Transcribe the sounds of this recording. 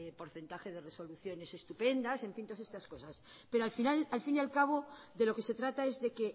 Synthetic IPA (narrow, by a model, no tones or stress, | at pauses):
po̞ɾθe̞nt̪axe̞ð̞e̞re̞so̞luθjo̞ne̞se̞st̪upe̞nd̪ase̞ɱfint̪oase̞st̪asko̞saspe̞ɾoalfinalalfinjalkaβ̞o̞ðe̞lo̞ke̞se̞t̪ɾat̪ae̞zðe̞ke̞